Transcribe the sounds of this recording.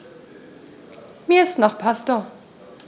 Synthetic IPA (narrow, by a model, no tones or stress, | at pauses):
miːɐɪstnɔχpʰastoɐ